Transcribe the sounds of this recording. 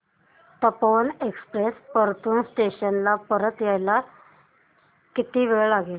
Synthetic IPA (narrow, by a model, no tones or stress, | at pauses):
t̪əpoʋnekspɾespəɾt̪uːnsʈeɕənlapəɾət̪jajla | kit̪iːʋeɭlaɡel